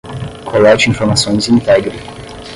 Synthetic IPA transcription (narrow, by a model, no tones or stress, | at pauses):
kʰolɛt͡ʃĩfoɾmasõj̃zĩnt̪ɛɡɾi